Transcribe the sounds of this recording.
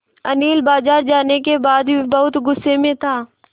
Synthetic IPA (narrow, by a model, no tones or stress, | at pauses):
ɐniːlbaːzaːɾd͡ʒaːnekebaːd̪ibɐɦʊt̪ɡʊsːemẽt̪ʰaː